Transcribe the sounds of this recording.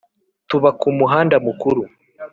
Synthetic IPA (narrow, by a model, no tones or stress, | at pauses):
tuβakumuɦaːndamukuɾu